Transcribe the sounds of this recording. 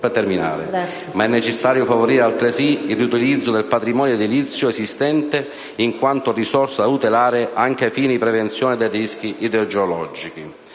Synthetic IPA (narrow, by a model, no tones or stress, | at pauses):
et̪ɛɾmina̰ːɾḛ | maɛnːet͡ʃɛsːaːɾjofavoɾiɾealt̪ɾesiilrːut̪ilid̪zːod̪elpat̪ɾimɔːnjed̪ilit̪sːjʊesist̪ɛnt̪e | iŋkwant̪ʊrisɔrsaut̪elaːɾɪʔaŋk̟efiːnipɾɛvent̪sjɔːnɪd̪ejrisk̟iʔid̪eod͡ʒeolɔd͡ʒiki